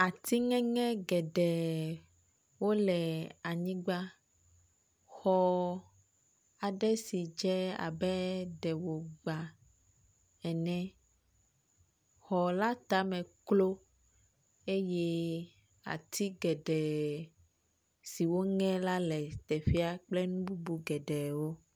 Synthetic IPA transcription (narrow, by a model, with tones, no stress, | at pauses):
a˨t̪i˦ŋɛ̃˦ŋɛ̃˦ɡɛ˨ɖɛ˨ | wo˦lɛ˨a˨ɲĩ˦ɡ͡ba˦ | xɔ˦ | a˨ɖɛ˦si˨d͡ʒɛ˦a̰˨bɛ˦ɖɛ˨wo˨ɡ͡ba˨ | ɛ˨nɛ̃˦ | xɔ˨la˦t̪a˦mɛ̃˨klo˦ | e˦jɛ˦ | a̰˨t̪ʰi˦ɡɛ˨ɖɛ˨ | si˨wo˦ŋɛ̃˦la˦lɛ˨t̪ɛ˨ɸi˦a˦k͡plɛ˦nũ˦bu˦bu˦ɡɛ˨ɖɛ˨wo˦